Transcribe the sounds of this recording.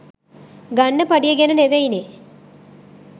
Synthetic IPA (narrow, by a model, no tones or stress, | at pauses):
ɡɐɳːəpɐɖijɐɡenɐneʋejne